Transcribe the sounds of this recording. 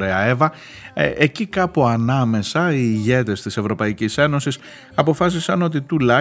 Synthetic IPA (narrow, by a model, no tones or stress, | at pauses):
ɾeɐevɐ | ecikɐpoɐnɐme̞sɐiːʝe̞t̪e̞st̪ise̞vɾo̞pɐicise̞no̞sis | ɐpo̞fɐs̬isɐno̞t̪̬it̪ulɐ